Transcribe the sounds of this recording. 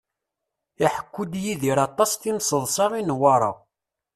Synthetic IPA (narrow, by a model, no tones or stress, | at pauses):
iħə̥kʷːud̪jiðiɾɑt̪ˤːɑst̪insəðˤsɑʁinwɑɾˤɑ̰